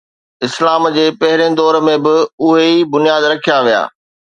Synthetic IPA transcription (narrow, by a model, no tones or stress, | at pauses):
ɪslaːmd͡ʑeːpɐɦɪɾẽd̪ɔːɾmẽbɪʊɦeibʊnijaːd̪ɾɐkʰijaʋija̰ː